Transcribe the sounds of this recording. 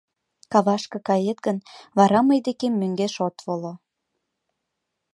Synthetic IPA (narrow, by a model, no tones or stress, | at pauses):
kɑβɑʃkɤ̆kɑjet̪ɡənβɑɾɑməjd̪ekemːøŋɡeʃot̪volo